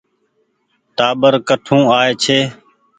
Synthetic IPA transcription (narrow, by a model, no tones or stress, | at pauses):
ʈaːɓəɾkəʈʰũːaːeːt͡ʃʰeː